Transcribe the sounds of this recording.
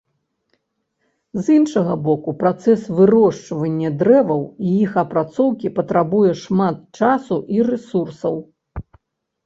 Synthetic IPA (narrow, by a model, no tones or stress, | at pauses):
zinʂɐɣɐbɔkupɾat̪sɛsvɨɾɔʂt͡ʂɐvɐnʲːɐd̪ɾɛvɐwijixɐpɾat̪sɔwkʲipɐt̪ɾabujɛʂmat̪̚t͡ʂasuʔirɛsursɐw